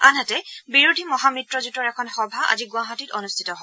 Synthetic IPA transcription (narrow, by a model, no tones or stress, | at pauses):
anɦatɛbiɹudʱimɔɦamitɹɔzutɔɹɛkʰɔnxɔbʱaʔa̰ziɡʊaɦatitɔnustʰi̥tɔɦɔ